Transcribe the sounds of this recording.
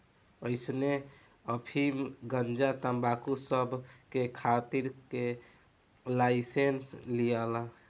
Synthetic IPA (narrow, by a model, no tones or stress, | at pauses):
əɪsne | əpʰimɡənd͡ʒat̪əmbakusəbʱkekʰat̪iɾke | laɪsenslijala